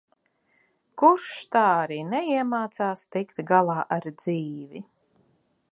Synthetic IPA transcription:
kuɾʃt̪aːɾinɛiɛmaːt̪saːst̪ikt̪ɡalˠaːʔaɾd̪ziːvʲi

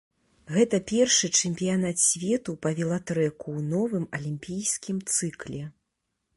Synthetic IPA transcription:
ɣɛt̪ɐpʲɛrʂɨt͡ʂɛmʲpʲijan̪at̪sʲvʲɛt̪upɐvʲɛlˠat̪ɾɛkunɔvɨmɐlʲimʲpʲijskʲimt̪sɨklʲɛ

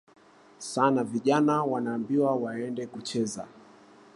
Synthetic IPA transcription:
sanaviʄanawanaːmbiwawaɛndɛkut͡ʃɛza̰

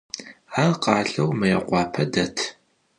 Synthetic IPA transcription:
aqʼɑːɬɐwmɐjɛqʷɑːpʰɐdɐtʰ

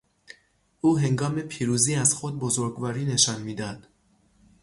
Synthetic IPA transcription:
ʔuːɦe̞ŋɡɒːme̞pʰiːɾuːziːæz̥xod̪̚bozoɾɡvɒːɾiːne̞ʃɒnmiːd̪ɒd̪̥

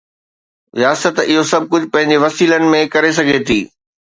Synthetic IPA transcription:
ʋijaːsət̪ɪɦosɐb̚ʱkʊd͡ʑʱpɐ̃ɦɪ̃ɲd͡ʑeʋɐsiːlənɪ̆mẽkɐɾes̬ɐɡʱet̪ʰiː

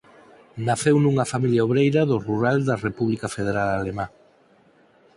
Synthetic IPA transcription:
naθewnũŋɐfamiljaoβɾejɾɐðʊruɾald̪ɐrepuβlikɐfeð̞eɾalalema

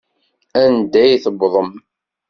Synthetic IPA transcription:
ænd̪æjθəbðˤəm

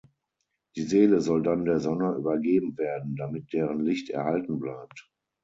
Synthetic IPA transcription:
d̥iːzeːləzɔldandeːɐzɔnəʔyːbɐɡeːbm̩veːɐdn̩damɪt̚d̥eːʁənlɪçtɛ̰ɐhaltn̩blaɪp̚t

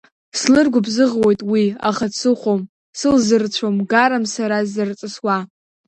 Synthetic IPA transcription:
slɨrɡʷʊbzɨʁwo̞jtʼwia̰χat͡sʰɨχʷom | sɨlzɨrt͡ɕʷʰomɡaɾamsaɾazɨrt͡sʼɨswa

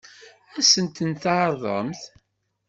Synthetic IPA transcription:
æsənt̪ənt̪ʕɾˤðˤɑ̰mθ

